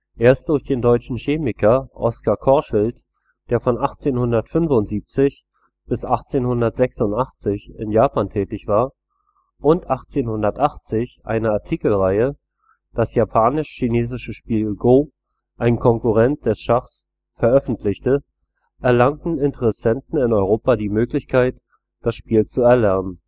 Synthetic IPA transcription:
ʔeːɐst̚d̥ʊɐçd̥eːndɔʏt͡ʃn̩çeːmɪkɐʔɔ̰skakʰɔɐʃɪlt | d̥eːɐfɔnʔaχt͡seːnhʊndɐtfʏnfʊntz̥iːp̚t͡sɪç | b̥ɪsʔaχt͡seːnhʊndɐtz̥ɛksʊntʔaχt͡sɪçɪ̰njaːpaːntʰɛːtɪçv̥aːɐ | ʔʊntʔaχt͡seːnhʊndɐtʔaχt͡sɪçʔa̰ɪnəaɐtʰiːkl̩ʁaɪə | d̥asjapʰaːnɪʃçineːzɪʃəʃpiːlɡoː | ʔaɪnkʰɔŋkuʁɛnt̚d̥ɛsʃaχs | fɛɐʔœfn̩tʰlɪçtə | ʔɛɐlaŋtn̩ɪntəʁɛsɛntn̩ɪnɔʏʁ̞oːpadiːmøːklɪçkʰaɪt | d̥asʃpiːlt͡suɛɐlɛɐnən

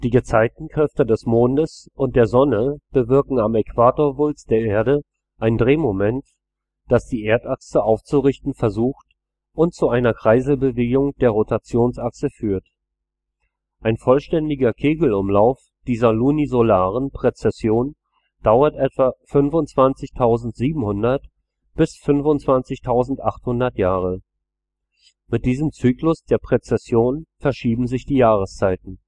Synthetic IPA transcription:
d̥iːɡət͡saɪtn̩kʁ̥ɛftədɛsmoːndəsʔʊnt̚d̥eːɐzɔnəb̥əvɪɐkŋ̩amɛkv̥aːtoːɐvʊlt͡sd̥eːɐʔeːɐdə | ʔaɪndʁeːmomɛnt | d̥asd̥iːʔeːɐtʔaksəʔaʊft͡suʁɪçtn̩fɛɐzuːxt | ʔʊntt͡suʔaɪnɐkʁ̥aɪzl̩bəveːɡʊŋd̥eːɐʁotat͡sjoːnsaksəfyːɐt | ʔaɪnfɔlʃtɛndɪɡɐkʰeːɡl̩ʊmlaʊf | d̥iːzɐlunizolaːʁ̞ənpʁ̥et͡sɛsjoːn | d̥aʊɐtʔɛtv̥afʏnvʊnt͡sv̥ant͡sɪçtʰaʊzn̩tz̥iːbm̩hʊndɐt | b̥ɪsfʏnvʊnt͡sv̥ant͡sɪçtʰaʊzn̩tʔaχthʊndɐtjaːʁə | mɪt̚d̥iːzəmt͡syːklʊsd̥eːɐpʁ̥et͡sɛsjoːnfɛɐʃiːbm̩zɪçd̥iːjaːʁ̞əst͡saɪtn̩

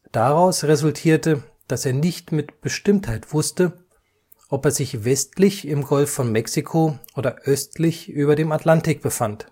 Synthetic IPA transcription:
d̥aʁaʊsʁezʊltʰiːɐtə | d̥aseːɐnɪçtmɪtb̥əʃtɪmthaɪtv̥ʊstə | ʔɔpeːɐzɪçvɛstlɪçɪmɡɔlfːɔnmɛksikʰoʔoːdɐʔœstlɪçʔyːbɐdeːmatlantɪk̚b̥əfant

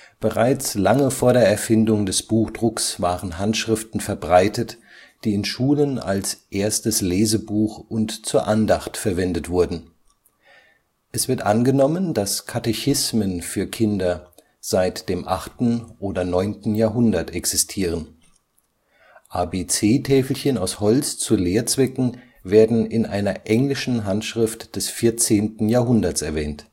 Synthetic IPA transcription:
b̥əʁaɪt͡slaŋəfoːɐɾeːɐɛɐfɪndʊŋdɛsb̥uːxd̥ʁʊksv̥aːʁənɦantʃʁ̥ɪftn̩fɛɐbʁaɪtət | d̥iːɪnʃuːləna̰lsʔeːɐstəsleːzəbuːxʔʊntt͡suːɐʔandaχtfɛɐvɛndətv̥ʊɐdn̩ | ʔɛsv̥ɪɐtʔanɡənɔmənd̥askʰatɛçɪsmənfyːɐkʰɪndɐ | z̥aɪtd̥eːmʔaχtn̩ʔoːdɐnɔʏntn̩jaːɐɦʊndɐtʰɛksɪstʰiːʁ̞ən | ʔaːbeːt͡seːtʰɛːfl̩çənaʊshɔlt͡st͡suleːɐt͡sv̥ɛkŋ̩ | veːɐdn̩ɪnʔaɪnɐʔɛŋlɪʃn̩ɦantʃʁ̥ɪftd̥ɛsfɪɐt͡seːntn̩jaːɦʊndɐt͡sɛɐvɛːnt

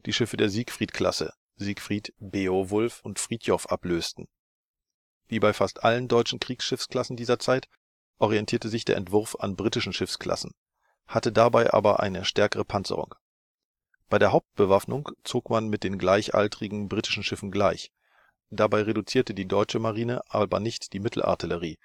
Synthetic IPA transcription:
d̥iːʃɪfədeːɐziːkfʁ̥iːtkʰl̥a̰sə̰ | ziːkfʁ̥iːtb̥eːovʊlfʊntfʁ̥iːtʰjɔfʔa̰pløːstn̩ | viːbaɪfastʔaləndɔʏt͡ʃn̩kʁ̥iːksʃɪfskl̥asn̩diːzɐt͡saɪt | ʔɔʁiɛntʰiːɐtəzɪçd̥eːɐʔɛ̰ntv̥ʊɐfa̰nbʁitɪʃn̩ʃɪfskl̥a̰sn̩ | hatədabaɪʔa̰ːbɐʔa̰ɪnəʃtɛɐkəʁəpʰant͡sə̰ʁʊ̰ŋ | b̥aɪdeːɐɦaʊp̚t̚b̥əvafnʊŋt͡soːkmanmɪt̚d̥eːnɡlaɪçʔa̰ltʁɪɡŋ̩bʁiːtɪ̥ʃn̩ʃɪfn̩ɡlaɪç | d̥abaɪʁedut͡siːɐtədiːdɔʏt͡ʃəmaʁiːnəʔaːbɐ̰nɪçtd̥iːmɪtʰl̩ʔa̰ɐtʰiləʁiː

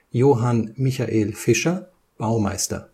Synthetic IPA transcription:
joːɦanmɪçaʔeːlfɪʃɐ | b̥aʊmaɪstɐ̰

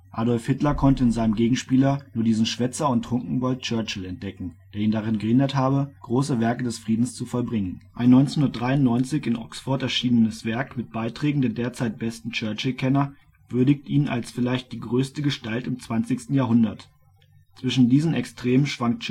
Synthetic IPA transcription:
ʔaːdɔlfhɪtlɐkʰɔntəɪnzaɪnəmɡeːɡŋ̩ʃpiːlɐnuːɐdiːzn̩ʃv̥ɛt͡sɐʊntːʁ̥ʊŋkŋ̩bɔlt̚t͡ʃœɐt͡ʃl̩ɛnt̚d̥ɛkŋ̩d̥eːɐiːndaʁ̞ɪnɡəhɪndɐthaːbəɡ̥ʁoːsəvɛɐkədɛsfʁ̥iːdn̩st͡sufɔlbʁɪŋənʔaɪnːɔʏnt͡snhʊndɐt̚d̥ʁaɪʊnnɔʏnt͡sɪçɪnʔɔksfɔɐtɛɐʃiːnənəsv̥ɛɐkmɪt̚b̥aɪtʁ̥ɛːɡŋ̩deːɐdeːɐt͡saɪt̚b̥ɛstn̩t͡ʃœːɐt͡ʃl̩kʰɛnɐ | v̥ʏɐdɪçtʔiːna̰lsfɪlaɪçt̚d̥iːɡʁøːstəɡəʃtaltɪmt͡sv̥ant͡sɪçstn̩jaːɦʊndɐt | t͡sv̥ɪʃn̩diːzn̩ɛkstʁ̥eːmənʃv̥aŋkt

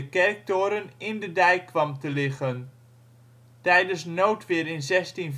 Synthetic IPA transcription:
əkɛrk̚toːɾənɪndədɛjkːʋɑmtəlɪχən | tɛjdənsnowtʋɪːɾɪnzɛstinv

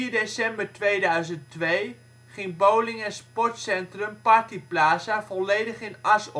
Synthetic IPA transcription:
iːɹdesɛmbəɹtʋejdœɥzəntʋej | χɪŋbowlɪŋɛnspɔɹtsɛntrəmpɑrtiplaːsavɔlejdəχɪnɑsɔ

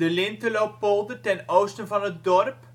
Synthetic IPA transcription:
dəlɪntəlowpːolˠdətɛnowstənvɑnɦət̚dɔrp

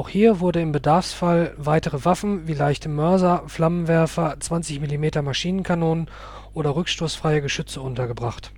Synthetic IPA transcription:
ʔaʊxhiːɐvʊɐdənɪmbədaɐfsfalvaɪtəʁəvafn̩viːlaɪçtʰəmœɐzɐflamənvɛɐfɐt͡sv̥ant͡sɪçmilimeːtɐmaʃiːnənkʰanoːnən | ʔʔoːɾɐʁʏkʃtoːsfʁ̥aɪəɡəʃʏt͡səʔʊntɐɡəbʁaχt

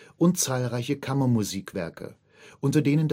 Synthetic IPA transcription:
ʔʊntt͡saːlʁaɪçəkʰamɐmuziːkv̥ɛ̰ɐkʰə̰ | ʔʊntɐdeːnənd

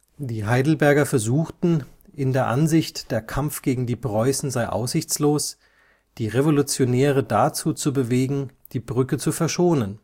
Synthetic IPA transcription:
d̥iːɦaɪdl̩bɛɐɡɐfɛɐzuːxtn̩ | ʔɪndeːɐʔanzɪçtd̥eːɐkʰamfɡ̥eːɡŋ̩diːpʁ̥ɔʏsn̩zaɪʔa̰ʊsz̥ɪçt͡sloːs | d̥iːʁevolut͡sjonɛːʁ̞ədat͡suːt͡subəveːɡŋ̩ | d̥iːbʁʏkət͡sufɛɐʃoːnən

